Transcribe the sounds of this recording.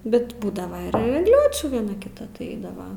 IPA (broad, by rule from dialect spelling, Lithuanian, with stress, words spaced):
bʲɛt ˈbuːdɐʋɐ ɪr ɛɡˈlʲoːt͡ʃʲuː ʋʲiɛˈnɐ kʲɪˈtɐ tɐɪ ˈɛɪdɐʋɐ